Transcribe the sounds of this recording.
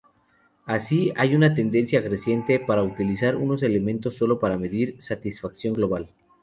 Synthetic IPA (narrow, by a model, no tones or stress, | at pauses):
asiajunat̪e̞nd̪e̞nsjaɣɾe̞sje̞nt̪e̞paɾaut̪ilisaɾṵno̞s̬e̞le̞mẽ̞nt̪o̞sːo̞lo̞paɾame̞ðiɾsat̪isfaksjo̞ŋɡlo̞βal